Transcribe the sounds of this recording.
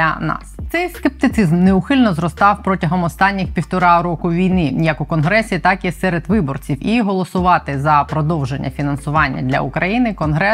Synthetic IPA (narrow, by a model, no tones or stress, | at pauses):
ɐnɑ̰st̪sɛjskep̚t̪ɪt̪ɪzmneʊxɪlʲnɔzrɔst̪ɑwpɾɔtʲɐɦɔmɔst̪ɑnʲːɪxpʲiwt̪ɔɾɑɾɔkʊʋʲijnɪjɐkʊkɔnɦɾɛsʲit̪ɑkisɛɾed̪ʋɪbɔrt͡sʲiwiɦɔlˠɔsʊʋɑt̪ɪzɐpɾɔd̪ɔwʒenʲːɐ̰fʲinɐnsʊʋɑnʲːɐ̰d̪lʲɐ̰ʊkɾɐjinɪkɔnɦɾɛ